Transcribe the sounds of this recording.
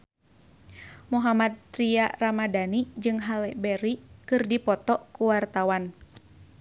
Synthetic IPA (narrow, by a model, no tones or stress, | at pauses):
muɦamat̪̚ːɾiaramadanid͡ʒɨŋɦalɛbɛɾikɨrdipɔt̪ɔkuwart̪awan